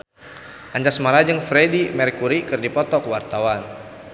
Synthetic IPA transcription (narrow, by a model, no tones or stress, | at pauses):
ʔaɲd͡ʒasmalad͡ʒəŋfɾɛdimɛrkuɾikɨrdipɔt̪ɔkwart̪awan